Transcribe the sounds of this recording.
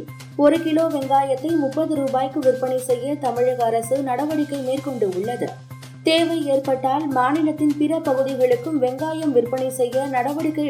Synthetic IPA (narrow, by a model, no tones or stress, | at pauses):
ɔɾɯkɪloːʋɛŋɡaːjɐt̪ːɐɪmʊpːɐðɯɾuːbaːjkːɯʋɪrpːɐɳɐɪsɛjːɐt̪ɐmɪɻɐɣɐːɾɐsɯnɐɽɐʋɐɽɪkːɐɪmeːrkɔɳɖɯʊɭːɐðɯ̰ | t̪eːʋɐɪeːrpɐʈːaːlmaːnɪlɐt̪ːɪnpɪɾɐpɐɣɯðɪɣɐɭɯkːɯmʋɛŋɡaːjɐmʋɪrpːɐɳɐɪsɛjːɐnɐɽɐʋɐɽɪkːɐɪ